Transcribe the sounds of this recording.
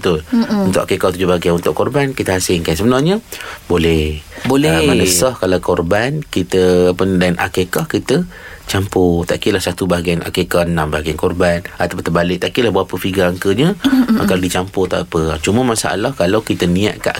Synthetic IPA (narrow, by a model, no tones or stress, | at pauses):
bət̪ʊlunt̪ʊʔakekɔt̪ud͡ʒubaɡianunt̪ʊʔkɔrbankit̪əhasɪnkansəbənarɲəbolɛhbolɛmanəsɔhkalawkɔrbankit̪əːpəndanʔa̰kekahkit̪ət͡ʃampʊt̪a̰ʔkilahsat̪ubaɡiana̰kekahənãmbaɡiankɔrbanat̪awpant̪əbalɪk̚t̪aʔkilahbəɾapəfiɡaaŋkəɲəakadit͡ʃampʊt̪a̰ʔpət͡ʃuməmasa̰ʔa̰lahkalawkit̪ənĩa̰ʔ̪ka̰ʔ